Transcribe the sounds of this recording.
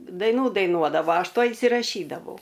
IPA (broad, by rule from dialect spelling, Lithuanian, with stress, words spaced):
dɐɪˈnuː dɐɪˈnuɔdɐʋoː ˈɐʃ ˈtuɔj ɪnʲsʲɪrɐˈʃʲiːdɐʋɐʊ